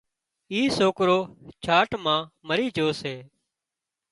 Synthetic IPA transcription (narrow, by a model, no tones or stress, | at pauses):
iːsoːkɾoːt͡ʃʰaːʈmãːməɾiːd͡ʒʱoːseː